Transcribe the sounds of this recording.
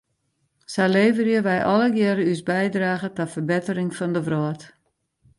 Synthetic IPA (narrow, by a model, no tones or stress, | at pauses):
saleːvərjəʋɛjʔɔləɡjɛɾəysbɛjdraːɣətɔfərbɪtərɪŋfɔndəʋrɔət